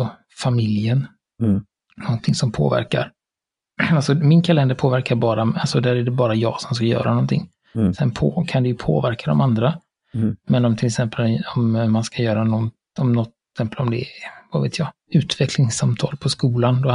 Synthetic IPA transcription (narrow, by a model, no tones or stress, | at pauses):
ɔ | famɪljən | nɔnt̪ʰɪŋsɔmpʰo̰ːvæ̰ɾka̰ɾ | alsɔmɪnkʰalɛnd̪əɾpʰoːvæɾkaɾbɑːɾaalsɔd̪æːɾæɖɛbɑːɾajɑːɡsɔmskajœ̰ːɾʔa̰nɔnt̪ʰɪ̰ŋː | sɛnpʰoːkʰand̪ɛjɵpʰo̰ːvæɾkʰad̪ɔ̰mand̪ɾa | mɛnɔmt̪ʰɪlɛksɛmpəlɔmːanskajœːɾanɔn | ɔmnɔt̪ | sɛmpəlɔmd̪ɛvavḛːt̪ʰjɑː | ʉ̟ːt̪vɛklɪŋsamt̪ʰɑːlpʰɔskuːland̪ɔ